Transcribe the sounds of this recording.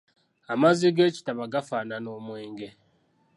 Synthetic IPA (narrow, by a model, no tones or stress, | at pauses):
amaziɡe̞ːci̥taβaɡafaːnano̞ːmweːŋɡe̞